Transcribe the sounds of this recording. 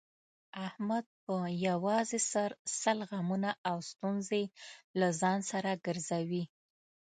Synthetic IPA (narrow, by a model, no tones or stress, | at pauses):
ahmad̪̚pəjawɑzesaɾsalɣamunaʔawst̪unzelazɑnsaɾaɡəɾzawi